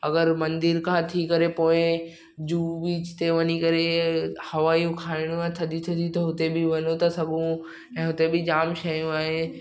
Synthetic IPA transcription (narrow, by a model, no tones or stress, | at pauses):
ɐɡəɾmɐ̃nd̪ɪɾkʰãt̪ʰikɐɾepoːɪ̃ | d͡ʑuːʋiːt͡ʃɪ̥t̪eʋɐnikɐɾehɐʋaːijũkʰaːɪɽ̃ũãt̪ʰɐd̪ʱit̪ʰɐd̪it̪ɐɦʊt̪ebɪʋɐnot̪ɐsɐɠũ | ɛ̃ːɦʊt̪ebɪd͡ʑaːmʃɐjũaːɦe